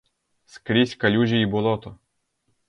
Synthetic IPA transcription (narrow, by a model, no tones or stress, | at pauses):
skɾʲisʲkɐlʲuʒʲiibʊlˠɔt̪ɔ